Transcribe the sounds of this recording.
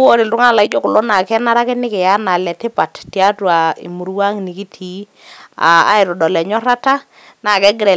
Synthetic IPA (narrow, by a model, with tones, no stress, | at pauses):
o˦ɾɪ˨ltʊ˦ŋa˦˨la˨ɪ˦d͡ʒɔ˦kʊ˨lo˦na˨kɛ˦na˦ɾa˦kɪ˦nɪ˦kɛ˨ja˦na˨lɛ˨tɪ˦pa˨ttja˦twa˨ḭ˨mu˨ɾwa˦ŋni˨ki˦tʰi˨˦ | a̰˨a̰˦ɪ˨ɾɔ˨dɔ˨lɛ˨ɲɔ˦ɾa˦ta˦ | na˨kɛ˦ɡɪ˦ɾɛ˨